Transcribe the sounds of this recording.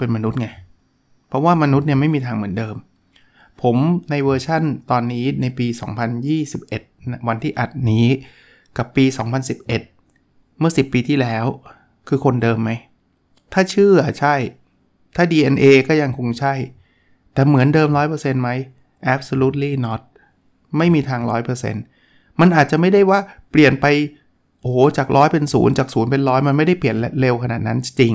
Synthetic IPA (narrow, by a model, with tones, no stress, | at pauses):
pe˧nma˧nu˦˥t̪̚ŋa˧˩j | pʰɾɔ˦˥waː˥˩ma˧nu˦˥t̪̚ni˥˩ɐma˥˩jmiː˧t̪ʰaː˧ŋmɯ˩˦əndɤː˧m | pʰo˩˦mna˧jwɤː˧t͡ɕʰa˥˩nt̪ɔː˧nːiː˦˥na˧jpiː˧sɔ̰ː˩˦ŋpʰa˧njiː˥˩si˨˩p̚ʔe˨˩t̪̚nwa˧nt̪ʰiː˥˩ʔa˨˩t̪̚niː˦˥ | ka˨˩pːiː˧sɔː˩˦ŋpʰa˧nsi˨˩p̚ʔe˨˩t̪̚ | mɯ˥˩ɐsi˨˩pːiː˧t̪ʰiː˥˩lɛː˦˥w | kʰɯː˧kʰo˧ndɤː˧mːa˦˥j | t̪ʰaː˥˩t͡ɕʰɯː˥˩ʔa˨˩t͡ɕʰa˥˩j | t̪ʰaː˥˩diː˧ʔe˧nʔeː˧kɔː˥˩ja˧ŋkʰo˧ŋt͡ɕʰa˥˩j | t̪ɛː˨˩mɯ˩˦əndɤː˧mɾɔː˦˥jpʰɤː˧se˧nma˦˥j | ʔɛ˦˥p̚so˧luː˦˥t̪̚liː˥˩nɔ˦˥t̪̚ | ma˥˩jmiː˧t̪ʰaː˧ŋɾɔː˦˥jpʰɤː˧sḛ˧n | ma˧nʔaː˨˩t̪̚t͡ɕa˨˩ma˥˩jda˥˩jwaː˥˩pli˨˩ənpa˧j | ʔoː˨˩˦t͡ɕaː˨˩k̚ɾʔɔː˦˥jpe˧nsṵː˩˦nt͡ɕaː˨˩k̚suː˩˦npe˧nɾɔː˦˥jma˧nma˥˩jda˥˩jpli˨˩ən˦˥le˧wkʰa˧naː˨˩t̪̚na˦˥n˧t͡ɕi˧ŋ